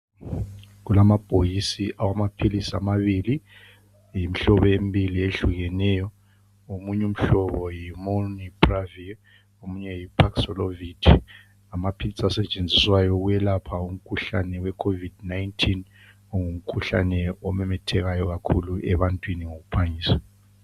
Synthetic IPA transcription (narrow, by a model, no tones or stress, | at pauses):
ɣulamab̥ʱʼojisiʔawamapʰilisa̰maβili | jim̩iɬɔβɔembʱilieɬuɣɛnɛjɔ | omuɲɛum̩ɬɔβɔjimonibravi | omuɲɛjipʰaksɔlovitʰi | amapʰilisasɛt͡ʃʼend͡zʱiswajɔɣujɛlapʰaum̩kʰuɬa̰nɛwɛkʰovidnaintʰin | ɔŋum̩kʰuɬa̰nɛɔmɛmɛtʰɛɣajɔɣakʰuluɛβantʼwiniŋoɣupʰaŋiːswḁ